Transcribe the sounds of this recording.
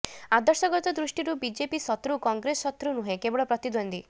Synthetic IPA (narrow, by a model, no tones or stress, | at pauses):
ad̪ɔɾsɔɡɔɾt̪ɔd̪ɾuʂʈiɾubid͡ʒepisɔt̪ɾukɔŋɡɾesɔɔt̪ɾunuɦẽkebɔɭɔpɾɔt̪id̪ɔnd̪i